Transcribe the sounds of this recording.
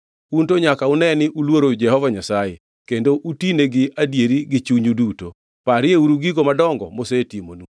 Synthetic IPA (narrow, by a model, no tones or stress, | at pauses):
untoɲakaunɛnɪʔulwoɾod͡ʒɛhɔvaɲasaje | kendoʔutineɡɪadjeɾiɡɪt͡ʃuɲuduto | paɾɪeuɾuɡiɡomadɔŋɡɔ̰mosetimonu